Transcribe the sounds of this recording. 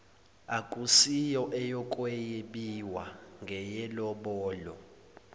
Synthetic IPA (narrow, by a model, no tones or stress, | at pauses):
akʼusijɔʔɛjɔkʼwɛjeɓiwaŋɡʱɛjɛlɔɓɔːlɔ̰